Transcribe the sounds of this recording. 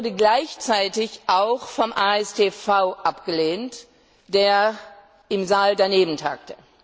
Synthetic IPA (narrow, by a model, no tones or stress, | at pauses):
ɐdəɡlaɪçt͡saɪtɪçʔaʊxfɔmʔaːɛsteːfaʊʔapɡ̥əleːnt | d̥eːɐ | ʔɪmzaːldaneːbn̩tʰa̰ːk̚tə